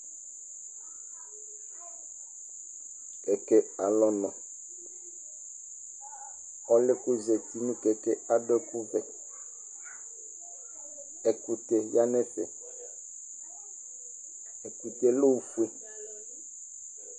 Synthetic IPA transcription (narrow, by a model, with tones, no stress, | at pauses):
kɛ˨kɛ˦a˨lɔ˦nɔ̃˨ | ɔ˦lɪ˦ku˦zɛ˨ti˨nũ˦kɛ˨kɛ˦a˦dɔ˦ku˦vɛ˨ | ɛ˨ku˨t̪e˨ja˦nɛ˦fɛ˨ | ɛ˨ku˨t̪e˨lo˦u˨fu˦e˨